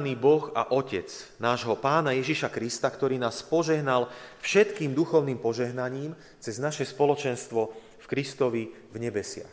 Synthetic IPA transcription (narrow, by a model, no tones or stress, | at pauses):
niːbɔɣa̰ʔɔcɛt͡snaːʒɦɔpaːnajɛʒiʃakɾist̪akt̪ɔɾiːnaːspɔʒɛɦnalfʃɛt̪kiːmd̪uxɔʊniːmpɔʒɛɦnaɲiːm | t͡sɛznaʃɛspɔlɔt͡ʃɛnst̪ʋɔ | fkɾist̪ɔʋi | vɲɛbɛsɪa̰x